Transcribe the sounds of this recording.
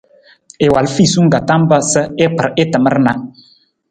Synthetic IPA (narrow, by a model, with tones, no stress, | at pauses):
ɪ˨wa˨lfi˦˨su˦ŋ̩˦ɡa˨ta˦m˦bə˦sə˦ɪ˦k͡pə˨ɾɪ˦tə˨mə˦ɾna˨